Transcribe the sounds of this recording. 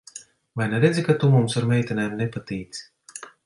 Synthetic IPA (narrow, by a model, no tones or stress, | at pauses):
vajnɛɾed̪zʲikat̪umumsaɾmʲɛjt̪ʲinajmnepat̪iːt̪si̥